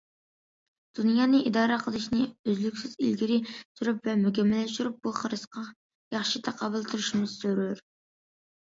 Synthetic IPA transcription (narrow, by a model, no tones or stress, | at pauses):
d̪̥unjɑːnɨʔid̪ɑːɾəqʰəlˠɨʃnɨøzlykʲsɪzḭlɡʲiɾɪsyɾypvɛmøkʲɛmːɛlɛʃt̪yɾyp̚buχəɾɨsqɑ | jɑχʃit̪ʰæqʰɑwɨlˠt̪ʰuɾuʃimɨzsøɾyɾ